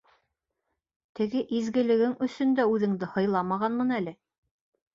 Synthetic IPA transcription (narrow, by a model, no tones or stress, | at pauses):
t̪ɘ̆ɡɘʔizɡɘ̆lɘ̆ɡɘŋɵ̆sɵ̆nd̪æʉðɘ̆ŋd̪ɘhɤ̆jlˠɑmɑʁɑnmɤnælɘ